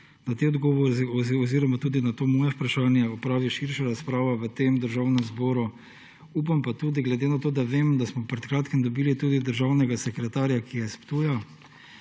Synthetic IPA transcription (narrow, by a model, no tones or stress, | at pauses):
nat̪eɔd̪ɡɔːʋɔɾɔziɾɔmat̪uːd̪inat̪oːmɔːjɛpɾaʃaːnjɛɔpɾaːʋiʃiɾʃaɾaspɾaːʋaʋət̪eːmd̪əɾʒawnɛmzbɔːɾu | uːpampat̪uːd̪iɡlɛd̪eːnat̪oːd̪aʋeːmd̪asmɔpɾɛt̪kɾaːt̪kɛmd̪ɔbiːlit̪uːd̪id̪əɾʒawnɛɡasɛkɾɛt̪aːɾjakijɛspt̪uːja